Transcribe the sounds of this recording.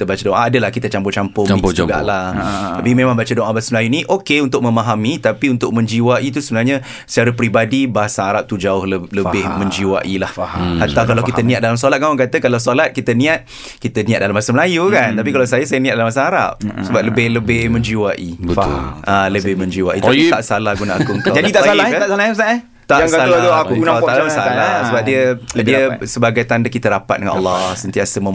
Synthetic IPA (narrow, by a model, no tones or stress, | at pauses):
t̪əbat͡ʃadoŋʔaːdəlahkit̪ət͡ʃampʊt͡ʃampʊĩuɡa̰ʔlat̪apimemãŋbat͡ʃadoʔabaasaməlajuniʔokeunt̪ʊk̚mə̃maɦamit̪apiunt̪ʊk̚mə̃ɲd͡ʒiwaʔit̪̬usəbənaɲa | sə̥t͡ʃaɾəpɾibadibaɦasaːɾap̚t̪ud͡ʒaʊhlələbɪhmə̃ɲd͡ʒiwa̰ʔilahhat̪awkalawkit̪ənĩat̪̚dalamsolat̪̚kamaŋkat̪əkalawsolat̪̚kit̪ənĩat̪̚ | kit̪ənĩat̪̚dalamasəməlajukant̪ap̬ikalawsajəsajənĩat̪̚dalamasaŋaɾa̰p̚səbap̚ləbɪhləbɪhmə̃ɲd͡ʒiwaʔiə̰ʔaləbɪhmə̃ɲd͡ʒiwa̰ʔit̪aiaʔsalahɡunaʔakuŋkad͡ʒadit̪aaaasalasa | t̪aaŋad̪auɡuknat̪aassalasəəbap̚diədiəsəbaɡajt̪andakit̪əɾapa̰t̪̚dəŋã̰na̰lːɔsənt̪iasəmə̃